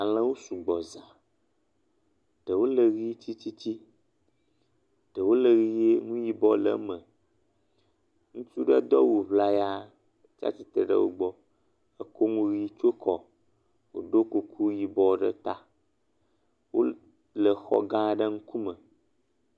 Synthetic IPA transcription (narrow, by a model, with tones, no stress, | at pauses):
a˨lə̃˦wo˦su˨ɡ͡bɔ˨zã˨ | ɖ̥ə˨wo˦lə˨ɣi˦t͡ɕi˦t͡ɕi˦t͡ɕi˦ | ɖ̥ə˨wo˦lə˨ɣi˦je˦ŋũ˦ji˨bɔ˦lə̰˨˦mə˨ | ŋũ˦t͡ʃu˦ɖə˦d̪ɔ˦wu˨βla˦ja˦˨ | t͡ʃa̰˦t͡ʃi˨t̪e˨ɖə̰˦wo̰˨ɡ͡bɔ˦ | ə˦ko˦ŋũ˦ɣi˦t͡ʃo˦kʰɔ˨ | wo̰˨ɖo˦ku˦kʰu˦ji˨bɔ˨ɖə̰˦t̪a˦ | wo̰˦ | lə˨xɔ̰˦ɡã˦˨ɖə˦ŋũ˦ku˦mə̃˨